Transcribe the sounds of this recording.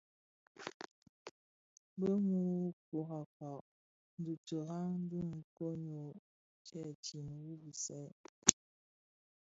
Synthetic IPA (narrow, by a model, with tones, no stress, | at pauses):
bə˦ŋu˦ko˨ɦa˨ka˨ | n̩˨du˨tə˨ɦa˦n̩˦du˦ŋ̩˨ko˦ɲo˨ | t͡ʃɛ˦˨ti˨n˨wu˦bi˨sɛ˦